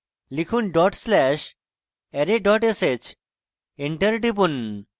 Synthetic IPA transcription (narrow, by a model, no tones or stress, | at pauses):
likʰuːnɖɔʈslɛɕ | ɛɾeɖɔʈeset͡ɕ | eɳʈəɾɖip̬un